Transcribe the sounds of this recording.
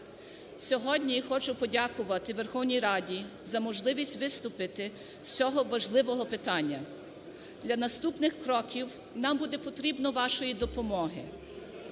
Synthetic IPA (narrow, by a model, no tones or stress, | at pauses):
sʲɔɦɔdʲnʲijixɔt͡ʃʊpɔdʲakʊʋɐt̪ɪʋerxɔwnʲijɾɑdʲi | zɐmɔʒlˠɪʋʲisʲtʲʋɪst̪ʊpɪt̪ɪ | sʲt͡sʲɔɦɔʋɐʒlˠɪʋɔɦɔpɪt̪ɑnʲːɐ | d̪̥lʲɐnɐst̪upnɪxkɾɔkʲiw | nɑmbud̪ɛpɔt̪ɾʲibnɔʋɑʃɔjid̪ɔpɔmɔɦɪ